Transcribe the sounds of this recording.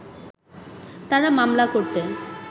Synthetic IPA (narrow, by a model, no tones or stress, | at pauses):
t̪aɾamamlakoɾt̪e